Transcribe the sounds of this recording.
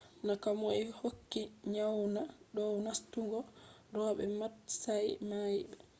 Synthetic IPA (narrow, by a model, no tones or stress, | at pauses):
nakamɔɛhokːiɲawnaɗɔwnastuŋɡɔ | dɔɓɛ̰matsajmajɓɛ